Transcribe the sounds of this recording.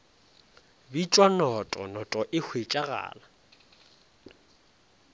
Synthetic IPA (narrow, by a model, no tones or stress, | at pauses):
bit͡ʃʼwanɔtʼɔ̰nɔtʼɔʔɪhʰwet͡ʃʼaɣa̰ːla